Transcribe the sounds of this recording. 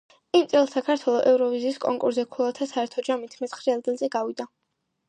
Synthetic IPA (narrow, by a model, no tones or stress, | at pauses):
imt̪sʼɛlˠsakʰaɾt̪ʰwɛlˠɔʔɛvɾɔviziːskʼɔŋkʼṵɾzɛkʰulˠat̪ʰasaɛɾt̪ʰɔd͡ʒamit̪ʰmɛt̪sʰχɾialɡilˠzɛɡavid̪a